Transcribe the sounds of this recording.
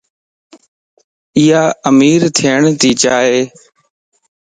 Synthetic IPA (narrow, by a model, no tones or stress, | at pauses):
iːaːəmiːɾt̪ʰiːəɳt̪iːt͡ʃaːɦeː